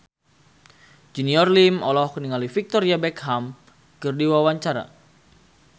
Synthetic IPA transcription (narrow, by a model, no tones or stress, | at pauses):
d͡ʒiniɔrlimɔlɔhkəniŋalifik̚t̪ɔɾiabɛkɦam | kɨrdiwawaɲt͡ʃaɾa̰